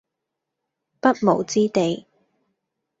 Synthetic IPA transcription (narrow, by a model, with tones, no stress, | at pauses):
pɐ˥t̚mo˨˩wt͡siː˥t̪e˨˧j